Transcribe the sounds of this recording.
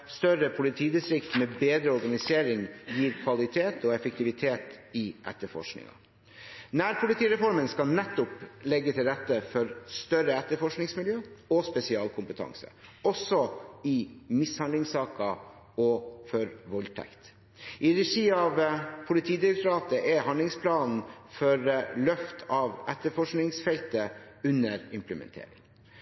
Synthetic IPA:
st̪œɾəpʰʊlɪt̪ʰiːd̪ɪst̪ɾɪkt̪mɛbeːd̪ɾəɔɾɡɑnɪseːɾɪŋjiːɾkʰʋɑlɪt̪ʰeːt̪ʰɔɛfək̚t̪ɪʋɪt̪ʰeːt̪ɪʔɛ̰t̪ːəfɔ̰ʂknɪ̰ŋɑ̰ | næːɾpʰʊlɪt̪ʰiːɾɛfɔɾmənskɑlnɛt̪ːʊplɛɡːət̪ʰɪlɾɛt̪ːəfɔɾst̪œɾəɛt̪ːəfɔʂknɪŋsmɪljøːɔspɛsɪɑːlkʰʊmpət̪ʰɑ̰ŋsə̰ɔsɔɪmɪshɑnd̪lɪŋsɑːkɑ | ɔfɔɾʋɔlt̪ʰæ̰kt̪ | ʔɪɾɛʂiːɑʋpʰʊlɪt̪ʰiːd̪ɪmʊkt̪ɾɑːt̪əʔɛhɑnd̪lɪŋspʰlɑːnn̩fɔɾlœft̪ʰɑːʋɛt̪ːəfɔʂknɪŋsfɛlt̪əʉnəɾɪmpləmɛ̰nt̪ʰḛːɾɪ̰ŋ

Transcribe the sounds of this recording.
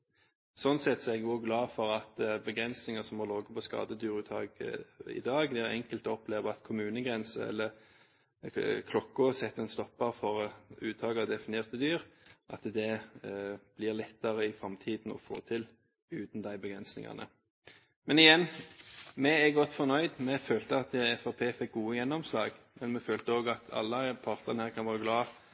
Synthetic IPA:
sɔnsɛt̪sɔɛɡoːɡlɑːfɔɾɑt̪bəɡɾɛnsnɪŋəsɔmɔloːɡəpʰɔskɑ̰ːd̪əd̪yːɾʉːt̪ʰhɑ̰ːɡɪ̰d̪ɑːɡd̪ɛæʁɛ̰ŋkəlt̪ɔɔpleːʋəɑt̪kʰʊmʉːnəɡɾɛnsəɛ̰lːə | kʰlɔkːʊsɛt̪ːɛnst̪ɔpːɑfɔʁʉːt̪ʰɑːɡəd̪ɛfɪnɪeːʁt̪əd̪yːʁʔɑt̪d̪ɛ | b̥lɪʁlɛt̪ːəɾəɪfɾɑmt̪ʰiːd̪n̩ɔ̰fo̰ːt̪ʰɪl | ʉːt̪n̩d̪æɪbəɡɾɛnsnɪ̰ŋɑ̰nə̰ | mɛnɪjɛnː | mɛɛɡɔt̪ːfɔnœʏd̪mɛføːlt̪əɑt̪ɛfɑpʰeːfɛk̚ɡuːəjɛnːɔmslɑːɡmɛnmɛføːlt̪əoːɡɑt̪ʰɑ̰lːəpʰɑːʁt̪əʁnæːʁkʰɑnʋɑːʁəɡlɑː

